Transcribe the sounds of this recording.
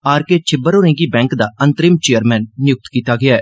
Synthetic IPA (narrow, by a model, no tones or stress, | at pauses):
aːɾket͡ʃʰɪbəɾoːɾẽːŋɡiːbɛ̃ːŋkd̪aːə̃nt̪ɾɪmt͡ʃeːəɾmɛ̃ːnːɪjʊk̚t̪kiːt̪aːɡɪaɛː